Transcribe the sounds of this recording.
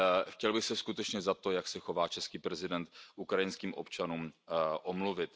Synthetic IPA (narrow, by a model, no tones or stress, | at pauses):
xcɛlbɪxsɛskut̪ɛt͡ʃɲɛzat̪o̞jaksɛxo̞vaːt͡ʃɛskiːpɾɛzɪdɛnt̪ʔukɾajɪnskiːmʔo̞̰pt͡ʃanuːmʔomluvɪt̪